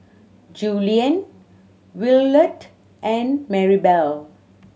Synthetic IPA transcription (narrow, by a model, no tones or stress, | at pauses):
d͡ʒuːliə̃n | wɪlːəʈ | ʔɛ̃nmɛɹibɛl